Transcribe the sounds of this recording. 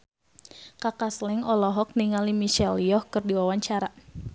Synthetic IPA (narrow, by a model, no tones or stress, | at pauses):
kakaslɛŋɔlɔɦɔk̚niŋalimiʃɛljɔhkɨrdiwawaɲt͡ʃaɾa